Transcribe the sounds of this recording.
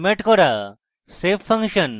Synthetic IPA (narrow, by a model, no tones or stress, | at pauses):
meʈkɔɾa | sepʰːɐŋkʃən